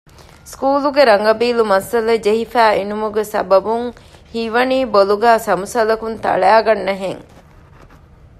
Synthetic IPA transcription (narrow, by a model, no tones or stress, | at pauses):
skuːluɡeɾɐŋɡɐbiːlumɐsɐlɐd͡ʒeɦifæːinumuɡesɐ̰bɐbuŋhiʋɐniːboluɡæːsɐmusɐlɐkunt̪ɐ̰ɭæːɡɐnːɐɦeŋ